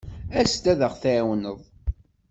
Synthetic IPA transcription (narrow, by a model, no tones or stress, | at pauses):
æst̪æðəχθæwnəðˤ